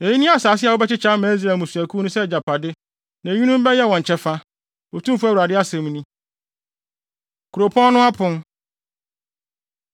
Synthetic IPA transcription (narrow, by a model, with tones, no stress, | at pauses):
e˨ji˦nĩ˦a˦˨saː˨sɪ˦a˨wʊ˦bɛ˦t͡ɕɪ˦t͡ɕʰa˦mæ̃˨˦z̬ɾɛ˨mũ˨su˨æ˨kʰu˦nʊ̃˦sɛ˦˨d͡ʑa˨pʰa˨dɪ˦ | nã˨ɲũ˦nũ˦m˦bɛ˦jɛ˦˨wɔ̃˨ɲ̩˨t͡ɕʰɛ˦fa˦ | o˨tʰũ˦m˦fu˦æ˦wu˨ɾa˨dɪ˦a˦sɛ̃˨m˦nĩ˦ | kʰu˨ɾo˨pʰɔ̃˦n˦nʊ̃˦a˦pʰʊ̃˦n